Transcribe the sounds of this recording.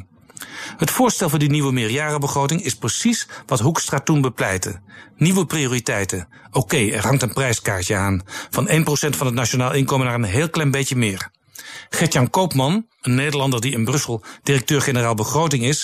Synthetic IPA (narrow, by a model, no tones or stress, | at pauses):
ɦətfʊːɹstɛlˠvʊːɹdiniʋəmɪːɹjaːrəbəχrowtɪŋɪsprəsisʋɑtɦukstraːtunbəplɛjtə̰niʋəprioːritɛjtə | owkejɛ̰ɹɦɑŋtənprɛjskaːɹtəaːnv̥ɑnejnprosɛntfɑnɦətnat͡ʃonaːlˠɪnkowmənaːrənɦeːlˠklɛjnbejcəmɪːɹ | χɛtjɑnkowpmɑn | ənːejdəɹlɑndəɹdiɪnbrɵsəlˠd̥ɪrɛk̚tøːɹχenəraːlˠbəχrowtɪŋɪs